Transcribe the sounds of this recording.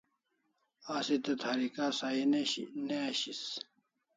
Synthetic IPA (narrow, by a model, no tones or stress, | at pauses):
aːsit̪et̪ʰɐɾikaːsaineneɕis